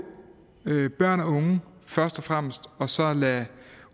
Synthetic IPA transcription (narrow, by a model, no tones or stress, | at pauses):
øb̥ɶɐ̰næɔ̽ŋəfɶɐsd̥ɒ̽fʁam̰sd̥ɒ̽sɒ̽læ